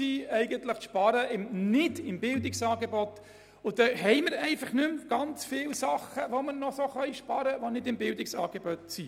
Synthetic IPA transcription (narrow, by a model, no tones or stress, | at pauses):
iɛɪɡənt̪ləχʃpɑɾəɪmnɪdɪmbɪldɪksɑːɡebɔt | ʊd̥̪ɛɦɛɪməɾɛɪfɑχnʏmɡ̥ɑnt͡sfɪːlsɑχəʋomənɔsoχœjʃpɑɾəʋonɪdɪmbɪldɪksɑ̰ːɡ̥ebɔtsi